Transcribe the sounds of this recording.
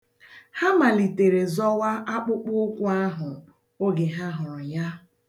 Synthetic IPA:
ha˦ma˨li˨te˨ɾe˨zɔ˦wa˦ʔa˦k͡pʊ˦k͡pʊ˦kʷʊ˦a˦ɦʊ˨ | o˦ɡe˨ɦa˦ɦʊ˨ja˦

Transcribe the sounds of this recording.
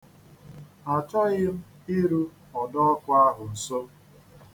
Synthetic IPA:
a˨t͡ʃa˦ɣɪ˦m̩˦ | ɪ˦ɾu˦ | ɔ˨dɔ˦ɔ˦kʷa˦a˦ɦʊ˨n̩˨so˦

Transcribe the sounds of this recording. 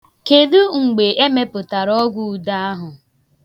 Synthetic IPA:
ke˨du˦ŋ͡m̩˨ɡ͡be˨ʔe˦me˦pʊ˨ta˨ɾɔ˦ɡʷu˦˨da˦a˦ɦʊ˨

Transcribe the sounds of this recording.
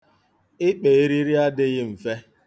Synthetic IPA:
ɪ˦k͡pe˨e˦ɾi˦ɾi˦a˦dɪ˦ɣɪ˦m̩˨fe˦

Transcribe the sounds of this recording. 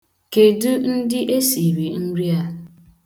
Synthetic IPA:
ke˨du˦n̩˦dɪ˦ʔe˦si˨ɾi˨n̩˦ɾi˦a˦

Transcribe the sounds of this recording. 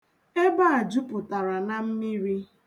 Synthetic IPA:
e˦ba˦a˨d͡ʒu˦pʊ˨ta˨ɾa˨na˨m̩˦mi˦ɾi˦

